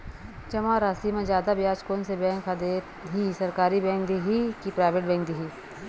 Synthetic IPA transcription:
t͡ʃɐmaːɾaːsimẽd͡ʒjaːd̪abjaːt͡ʃkoːnsebɛ̃ːŋkʰad̪eː | ɦisɐɾkaːɾibɛ̃ːŋk̚d̪iɦikipɾaːɪʋeʈ̚bɛ̃ːŋk̚d̪iɦiː

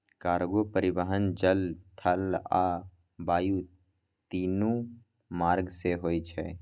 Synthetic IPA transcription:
kaːɾɡopəɾɪbəɦənd͡ʒəlt̪ʰəlaː | baːju | t̪iːnũ | maːɾɡseɦoːit͡ʃʰɛ̰ː

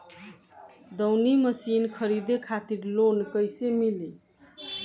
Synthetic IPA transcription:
d̪əwniməsinkʰəɾid̪ekʰat̪iɾlonkəjsemili

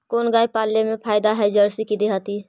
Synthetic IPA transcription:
koːnɡaːipaːlːemẽpʰaːɪd̪aɦɛd͡ʒəɾsikid̪eɦaːt̪i

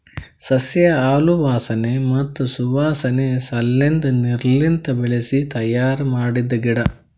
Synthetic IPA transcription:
sɐsjɐaːluʋaːsɐnemɐt̪ːusuʋaːsɐnesɐlːend̪uniɾlint̪ɐbeɭesit̪ɐjaːɾmaːɽid̪ːɐɡiɽɐ

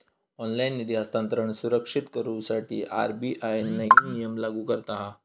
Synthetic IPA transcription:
ɔnlainːid̪iast̪ant̪əɾəɳsuɾəkʂit̪kəɾuːsaʈʰḭːʔa̰ɾbiʔajnːəɦinijəmlaɡuːkəɾt̪aɦa

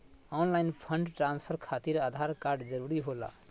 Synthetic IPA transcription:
ɔnlainpʰəɳɖʈɾanspʰəɾkʰat̪iɾad̪ʱaɾkaɾɖd͡ʒəɾuɾiɦola̰

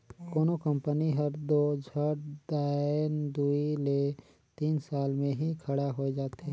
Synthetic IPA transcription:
koːnokə̃mpəniɦəɾd̪od͡ʒʱəɾd̪aːnd̪uile | t̪iːnsaːlmẽɦikʰəɽaɦoed͡ʒaːt̪ɦɛ̃ː

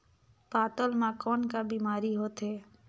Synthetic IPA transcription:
paːt̪əlmãkɔːnkabiːmaːɾiɦoːt̪ɦeː

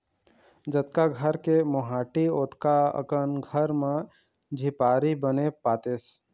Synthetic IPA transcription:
d͡ʒət̪̚kaɡʱəɾkemoɦaːʈioːt̪kaə̰kənɡʱəɾmẽ | d͡ʒʱɪpaːɾibənepaːt̪eːs

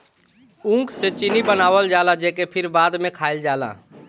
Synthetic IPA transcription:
ũkset͡ʃinibənaːwəld͡ʒaːlad͡ʒekepʰɪɾbaːd̪mẽkʰaɪld͡ʒaːla̰

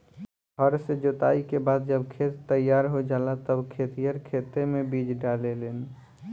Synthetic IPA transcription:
ɦəɾsed͡ʒot̪aikebad̪̚d͡ʒəbkʰet̪t̪əjaɾɦod͡ʒalat̪əbkʰet̪ijəɾkʰet̪emebid͡ʒɖalelen

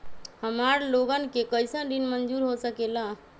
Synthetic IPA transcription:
həmaɾloɡənkekəjsə̃ɖ̪inmənd͡ʒuɾɦosəkela

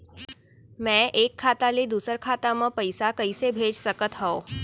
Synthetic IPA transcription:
mɛ̃ʔekʰːat̪alid̪usəɾkʰat̪aməpəjsakəjsebʱed͡ʑsəkət̪ɦəo

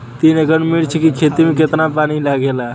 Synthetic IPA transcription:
t̪inekənmiɽt͡ʃʰɛkikʰet̪imeket̪napanilaɡʱela

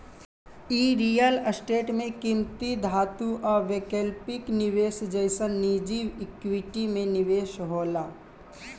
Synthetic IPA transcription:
iːɾiːjələsʈeːʈmẽkimt̪id̪ʱaːt̪uʔɔːɾʋekelpɪknɪʋeːʃd͡ʒəɪsənːiːd͡ʒiːwɪkwɪʈimẽnɪʋeːʃɦoːlaː

